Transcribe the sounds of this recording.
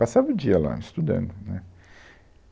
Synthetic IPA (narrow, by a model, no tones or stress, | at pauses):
pasavɐũd͡ʒiɐla̰ist̪ud̪ɐ̰̃nd̪ʊnɛ